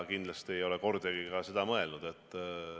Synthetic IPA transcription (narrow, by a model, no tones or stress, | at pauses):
kind̪lɑst̪iejo̞le̞ko̞rd̪jɑɡikɑse̞d̪̥ɑmɤe̞lnud̪̥e̞t̪ˑː